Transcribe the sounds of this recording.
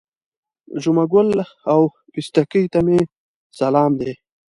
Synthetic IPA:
ʒʊmaɡʊlaw | pist̪akijt̪ame | salɑːmd̪eː

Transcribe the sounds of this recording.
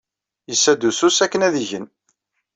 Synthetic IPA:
jəsːæd̪ususækːənæðiʝən

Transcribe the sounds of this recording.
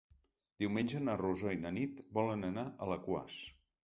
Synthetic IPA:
d̪̥iwmenʲd͡ʒənəruzɔinənit̪bɔlənənaʔələkwa̰s

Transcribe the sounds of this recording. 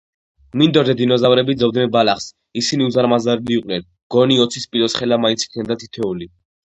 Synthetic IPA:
mind̪ɔɾd̪ɛd̪inɔzavɾɛbid̪zɛvd̪nɛnbalaχs | isiniuzaɾmazaɾiliuqʼnɛn | ɡ̥ɔniɔt̪sʰispʼilɔt̪sχɛlamainsʰi̥kʰnɛbd̪at̪ʰi̥t̪ʰɛuli

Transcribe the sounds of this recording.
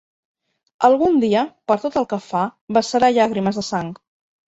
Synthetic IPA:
əlˠɣund̪iəpəɾt̪ot̪əlˠkəfabəsəɾaʎaɣ̞ɾiməzðəsaŋk

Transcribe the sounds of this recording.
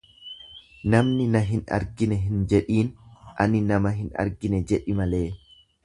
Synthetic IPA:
nɐmnɪnɐɦɪnɐ̰ɾɡɪnɛɦɪnd͡ʒɛᶑiːnʔɐnɪnɐmɐɦɪnɐ̰ɾɡɪnɛd͡ʒɛᶑɪmɐle̞ː

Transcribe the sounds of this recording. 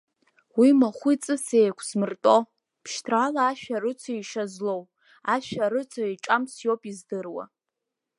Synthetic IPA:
wimaχʷit͡sʼɨsejkʷʰsmɨrtʼo̞ | pʰʃtʰrʕalaːʃᶣaɾɨt͡sʰaiʂazlo̞w | aʃᶣaɾɨt͡sʷʰaiʈ͡ʂʼamsjowpʼizdɨrwa̰

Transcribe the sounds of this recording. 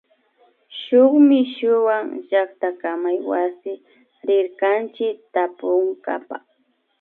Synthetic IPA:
ʃʊχmɪʃʊwaŋʒak̚t̪akamajwasɪ | ɾɪɾkant͡ʃɪkt̪apʊŋɡa̰pa̰

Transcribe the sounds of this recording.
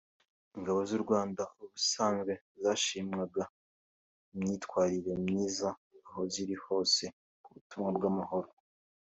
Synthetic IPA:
iŋɡaβo̞zuɾɡwaːndauβusaːŋɡwe̞ | zaːʃimŋaɡa | imɲiːtkwaːɾiɾe̞mɲiːzaːɦo̞ziɾiho̞ːse̞ | kuβutumŋabɡamaho̞ɾo

